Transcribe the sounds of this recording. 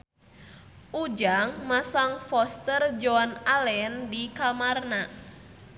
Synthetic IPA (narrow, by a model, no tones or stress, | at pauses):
ʔud͡ʒaŋmasaŋfɔst̪ərd͡ʒɔanalɛndikamarna